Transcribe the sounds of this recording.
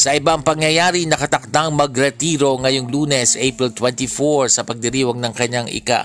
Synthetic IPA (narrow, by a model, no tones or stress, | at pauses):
sɐʔɪbaŋpɐŋjɐjaːɾinɐkɐt̪ɐk̚t̪aŋmɐɡɾɛt̪iːɾo̞ŋɐjoŋluːnɛsʔejpɾɛlt̪wɛnt̪ifoɹsɐpɐɡ̚d̪ɪɾiːwɐɡnɐŋkɐɲaŋʔɪ̰ka̰